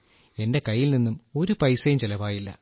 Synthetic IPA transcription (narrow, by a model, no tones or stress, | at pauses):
e̞nde̞kɐjːilninːumo̞ɾupɐjsɐjumt͡ɕelɐʋaːjilːɐ̰